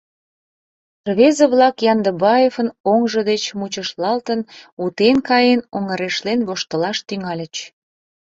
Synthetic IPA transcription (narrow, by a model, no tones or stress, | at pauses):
rβezəβlɑkjɑnd̪əbɑjefənoŋʒəd̪et͡ɕmut͡ɕəʃlɑlt̪ənut̪enkɑjenoŋəɾeʃlenβoʃt̪əlɑʃt̪yŋɑlʲət͡ɕ